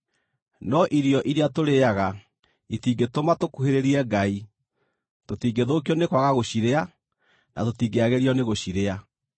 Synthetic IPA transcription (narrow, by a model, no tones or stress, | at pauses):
nɔʔiɾjɔʔiɾeatoɾeaɣa | itiːɡetomatokuheɾeɾiɛŋɡai | totiːŋɡeðok̬iɔnekwaɣaɣoɕiɾea | na̰totiːɡeaɣeɾiɔneɣoɕiɾea